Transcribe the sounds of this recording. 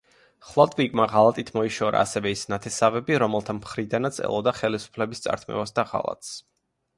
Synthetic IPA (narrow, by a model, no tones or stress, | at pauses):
χlˠat̪ʼvikʼmaʁalˠat̪ʼit̪ʰmɔiʃɔɾa̰ːsɛvɛisnat̪ʰɛsavɛbiɾɔmɛlˠt̪ʰamχɾid̪anat̪sʰɛ̰lˠɔd̪aχɛlisu̥pʰlɛbist̪sʼa̰ɾt̪ʰmɛ̰vasd̪aʁa̰lˠa̰t̪ʼs